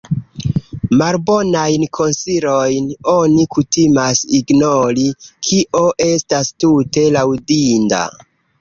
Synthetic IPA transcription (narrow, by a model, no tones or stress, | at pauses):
malbo̞najnkʰo̞nsiɾo̞jno̞nikutimasiɡno̞ɾikʰiʔo̞ʔe̞stastute̞lawdinda̰